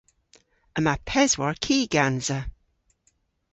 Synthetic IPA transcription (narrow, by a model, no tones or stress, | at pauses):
əmapʰɛzwaɹkʰiːɡ̥anzə